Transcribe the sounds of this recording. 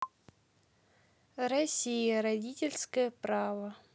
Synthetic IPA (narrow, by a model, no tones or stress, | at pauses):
rɐsʲijəɾɐdʲitʲɪlʲskəjəpɾavə